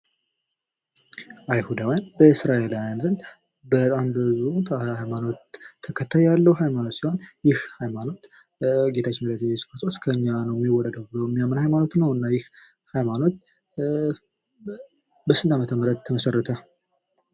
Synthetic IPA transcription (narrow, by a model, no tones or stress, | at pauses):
ʔajhud̪awjanbəɨsɾaʔelajanzɨn | bət̪ʼambəzut̪ʰhajmano̞t̪ʰːəkʰət̪ʰːajjalːəwhajmano̞t̪siho̞njɪhhajmano̞t̪ | ɡe̞t̪ʰat͡ʃːɪnmələt̪ːespət̪ʰʼoskʰəɨɲːanəwjɛmːiwːɔlːəd̪əwbləwɛmːijamːənhajmano̞t̪nəwɨnːajɪh | hajmano̞t̪ | bəsɨnd̪amət̪ʰəməɾəd̪̚t̪ʰːəməsərːət̪ʰə